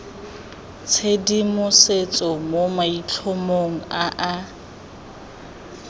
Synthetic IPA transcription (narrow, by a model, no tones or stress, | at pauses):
t͡sʰedimʊset͡sʼɔmomait͡ɬʰʊmoŋ̩aʔa